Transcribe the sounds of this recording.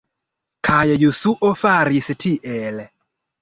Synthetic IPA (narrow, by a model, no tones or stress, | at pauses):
kʰajajusuʔɔfaɾisɛtʰiʔɛlɛ